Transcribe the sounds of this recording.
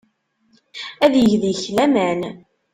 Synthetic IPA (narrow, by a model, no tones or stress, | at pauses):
æðjəʝðjəçlæmæn